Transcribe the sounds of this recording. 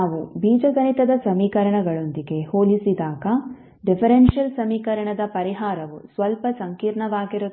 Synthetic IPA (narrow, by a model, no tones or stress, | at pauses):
aːʋubiːd͡ʒɐɡɐnit̪ɐd̪ɐsɐmiːkɐɾɐɳɐɡɐɭond̪iɡe̞hoːlisid̪aːɡɐ | ɖipʰɐɾenʃijɐlsɐmiːkɐɾɐɳɐd̪ɐpɐɾiɦaːɾɐʋusʋɐlpɐsɐŋkiːɾɳɐʋaːɡiɾu